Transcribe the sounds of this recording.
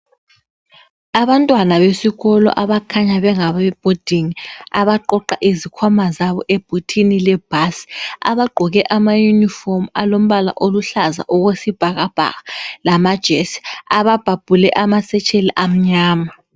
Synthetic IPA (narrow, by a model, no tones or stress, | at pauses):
aβantʼwanaβesiɣɔlɔ̰ʔaβakʰaɲaβɛŋaβɛb̥ʱod̥ʱiŋiaβaǃɔǃaʔizikʰwamazaβɔʔeb̥ʱutʰinilɛb̥ʱasa̰βaɡ͡ǃʱɔɣɛʔamajunifɔmalom̩ɓala̰ʔoluɬaza̰ʔɔɣwesib̥ʱaɣab̥ʱa̰ɣalamad̥ʒ̥ʱesi̥aβab̥ʱab̥ʱulɛʔamasɛt͡ʃʰʼeliʔam̩ɲaːma